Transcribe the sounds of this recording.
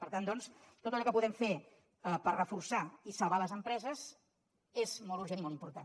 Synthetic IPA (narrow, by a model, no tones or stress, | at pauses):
pəɾt̪and̪ɔnst̪ot̪əlʎɔkəpuðɛmfe | əpərrəfuɾsaisəlˠβaləzəmpɾɛzəz | ezmɔlˠt̪uɾʒenimɔlˠimpuɾt̪an